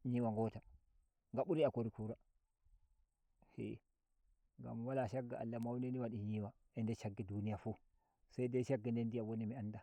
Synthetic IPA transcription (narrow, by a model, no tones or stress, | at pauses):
ɲiːwaŋɡɔta | ŋɡaɓuɾiakoɾikuɾa | hḛ | ŋɡa̰mwalaʃaɡːaa̰lːamawneniwaɗiɲiwa | ʔɛndɛt͡ʃaɡːidunijafu | sajdaʃaɡːandɛndijawonimianda